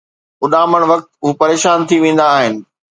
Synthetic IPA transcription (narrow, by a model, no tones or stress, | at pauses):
ʊɗaːməɽ̃ʋɐk̚t̪ʊpɐɾeːʃaːnt̪ʰiʋẽːn̆d̪aːɦɪnɪ̆